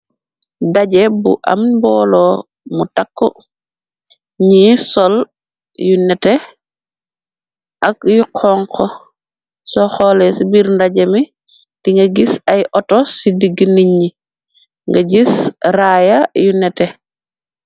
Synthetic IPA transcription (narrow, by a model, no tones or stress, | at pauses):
daɟebṵʔa̰mbɔːlo | mutakːɔ | ɲisɔl | junɛte | ʔakjuqʰɔŋkɔ | sɔxɔlesibiɾndaɟemi | d̥iŋɡaɡisajʔɔtosidiɡiniɲːi | ŋɡaɟisɾajajunɛte